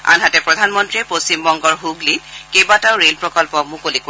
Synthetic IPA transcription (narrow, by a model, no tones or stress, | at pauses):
a̰nɦatɛpɹɔdʱanmɔntɹiɛposimbɔŋɡɔɹɦuɡlikebataʊɹelpɹɔkɔlpɔk̚mʊkolik